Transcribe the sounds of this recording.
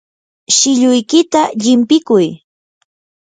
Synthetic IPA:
ʃɪʎʊjkɪt̪aʎɪmpɪkʊj

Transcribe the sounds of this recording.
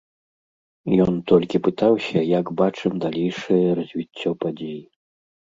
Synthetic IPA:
jɔnt̪ɔlʲkʲipɨt̪awsʲɐjaɡbat͡ʂɨmd̪alʲejʂɐjɐɾɐzʲvʲit͡sʲːɔpad͡zʲeji

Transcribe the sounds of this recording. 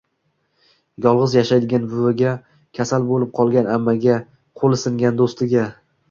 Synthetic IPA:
jɒlˠʁɨzjaʃajd̪ɪɡʲanbʊvɪɡʲa | kʲʰasalbolɪp̚qʰɒlˠɡʲanamːaɡʲa | qʰolˠɪsɪŋɡʲand̪ost̪ɪɡʲa

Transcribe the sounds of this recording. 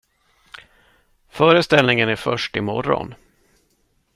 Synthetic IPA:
fœːɾəst̪ɛlnɪŋənæɾfœʂʈɪmɔ̰ɾɔ̰n

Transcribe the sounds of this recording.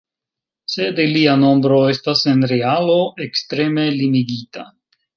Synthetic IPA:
se̞deliano̞mbɾo̞e̞stase̞nɾealo̞ʔekstɾe̞me̞limiɡita̰

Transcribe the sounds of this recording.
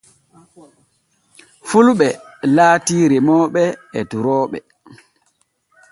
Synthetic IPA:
fulɓɛlaːtiːɾɛmɔːɓɛɛduɾɔːɓɛ̰

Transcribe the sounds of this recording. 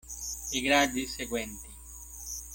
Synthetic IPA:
iɡɾad̪iseɡwɛnt̪i

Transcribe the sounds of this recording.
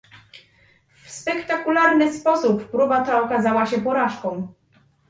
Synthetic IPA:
fspɛkt̪akulaɾnɘspɔsupːɾubat̪aɔkazawaɕɛpɔɾaʂkɔ̃w̃

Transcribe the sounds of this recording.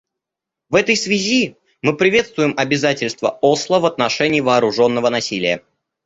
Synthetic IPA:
vɛt̪əjsvʲɪzʲi | mɨpɾʲɪvʲe̞t̪st̪vʊjɪmɐbʲɪzatʲɪlʲst̪vəoslˠəvɐt̪nɐʂɛnʲɪːvɐːɾʊʐo̞nːəvənɐsʲilʲɪjə

